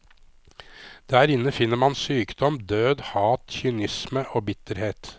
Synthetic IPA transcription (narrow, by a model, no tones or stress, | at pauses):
d̪̥æːɾɪnːəfɪnːəɾmɑnsyːkd̪ɔmd̪øːd̪hɑːt̪çʏʊnɪsməʔoːbɪt̪əɾheːt̪